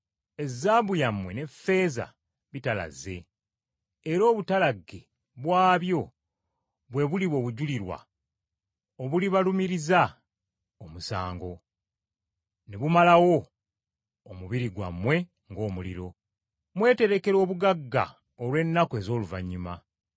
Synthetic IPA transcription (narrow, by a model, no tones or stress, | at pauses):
e̞zːaːβujamwe̞ne̞fe̞ːza̰ | βitala̰ze̞ː | ɾo̞ːβutalaɡːe̞ | βwaːβjo̞ | βwe̞βuliβo̞ːβuɟuliɾwa̰ | oβuliβalumiɾiza | omusa̰ːŋɡo̞ | neβumalawo̞ | muβiɾiɡwa̰mːwe̞ | ŋɡo̞ːmulḭɾo̞ | mwe̞ːte̞ɾe̞ke̞ɾo̞ːβuɡaɡːa̰ | olwe̞nːakwe̞ːzo̞ːluvaɲːuma